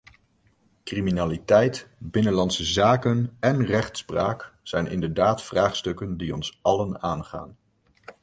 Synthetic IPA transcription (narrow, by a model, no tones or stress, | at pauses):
kriminaːlitɛjtbɪnənlɑntsəzaːkənɛnrɛχtspraːksɛjnʔɪ̰ndəɹdaːtfraːχstɵkəndiɔnsɑlənaːnχa̰ːn